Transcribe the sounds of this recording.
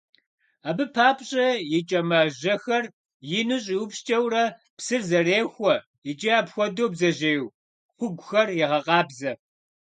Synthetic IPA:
aːbɨpʰaːpɕʼɐjɪt͡ʃʼɐmɐʑɐxɐr | jɪnɨɕ̬ʼiwʊpʃt͡ʃʼɐwrɐ | psɨrzɐreːxʷɔ | jɪt͡ʃʼiaːpxʷɔdoːbzɐʑejw | xʷʊɡʷʊxɐrjɛʁɐqʼɑːbzɐ

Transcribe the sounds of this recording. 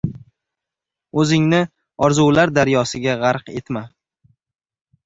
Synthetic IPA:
ɵzɪŋnɪ | ɒɾzuwlaɾd̪aɾjɒsɪɡʲaʁɑɾqe̞t̪ma

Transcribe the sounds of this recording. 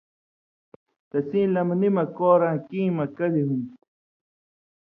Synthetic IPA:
t̪ɐsĩːlɐmanimakoːɾãkĩːmakad̪ihun

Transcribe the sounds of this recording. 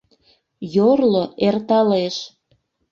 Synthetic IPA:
jorloert̪ɑleʃ

